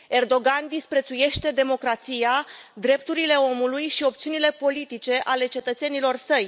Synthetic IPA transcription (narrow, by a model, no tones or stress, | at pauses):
e̞rd̪o̞ɡand̪ispɾe̞t̪suje̞ʃt̪e̞d̪e̞mo̞kɾat̪sijad̪ɾe̞p̚t̪uɾile̞o̞mulujʃio̞pt̪siunile̞po̞lit̪it͡ʃe̞ʔale̞t͡ʃe̞t̪ət̪se̞nilo̞rsəj